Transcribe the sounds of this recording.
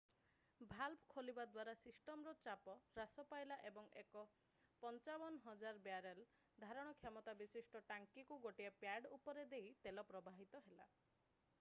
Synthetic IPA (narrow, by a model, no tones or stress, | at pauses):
bʱalbʰkʰolibad̪waɾasisʈɔmɾɔt͡ʃapɔɾasɔpajlaʔebɔŋekɔ | pɔnt͡ʃabɔnɦɔd͡ʒaɾbjaɾel | d̪ʱaɾɔɽ̃ɔkʰjamɔt̪abisisʈɔʈaŋkikuɡoʈiapjaɖupɔɾed̪eit̪elɔpɾɔbʱaɦit̪ɔɦela